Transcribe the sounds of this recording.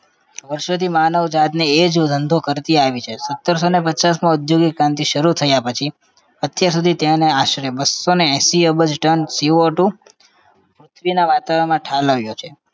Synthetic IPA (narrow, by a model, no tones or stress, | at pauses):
ʋəɾʃot̪ʰimanəʋd͡ʒat̪need͡ʒd̪ʱənd̪ʱokəɾt̪iaʋit͡ʃʰesət̪ːəɾsonepət͡ʃasmãʊd̪joɡikɾãnt̪iʃəɾut̪ʰəjapət͡ʃʰi | ət̪jaɾsud̪ʱit̪eneaʃɾjebəsːoneɛ̃siəbəd͡ʒʈənsiʋoʈũ | pɾʊt̪ʰʋinaʋat̪aʋəɳmãʈʰaləʋjot͡ʃʰe